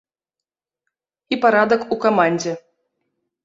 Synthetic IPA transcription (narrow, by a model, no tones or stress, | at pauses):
ipaɾad̪ɐkukamanʲd͡zʲɛ